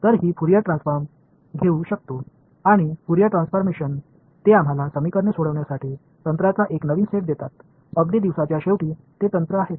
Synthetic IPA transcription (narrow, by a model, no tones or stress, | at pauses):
t̪əɾɦiːfuɾijəʈɾãnsfəɾm | ɡʱeuɕək̚t̪o | aɽ̃ifuɾijəʈɾãnsfəɾmeɕən | t̪eam̤alasəmikəɾɳəsoɽəʋɳjasaʈʰiː | t̪ənt̪ɾat͡saʔeknəʋiːnseʈ̚d̪et̪at̪ | əɡɽiːd̪iʋsat͡ɕjaɕeʋʈiː | t̪et̪ənt̪ɾəaɦet̪